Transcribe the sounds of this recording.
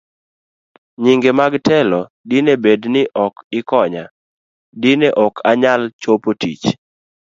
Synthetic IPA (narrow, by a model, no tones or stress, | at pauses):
ɲiŋɡemaɡtɛlɔ | dɪnebednɪʔɔkɪkɔɲa | dɪneʔɔkʰaɲalt͡ʃopotḭt͡ʃ